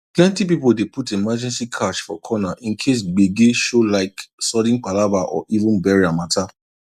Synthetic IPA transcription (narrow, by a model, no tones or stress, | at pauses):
plɛ̃ntip̬ipoldeputemad͡ʒɛ̃nsikʰaʃfɔkʰɔnaʔĩnkʰes̬ɡ͡beɡeʃolaɪksɔdĩnk͡palabaʔɔ̰ʔivũnbɛɹiamatʰa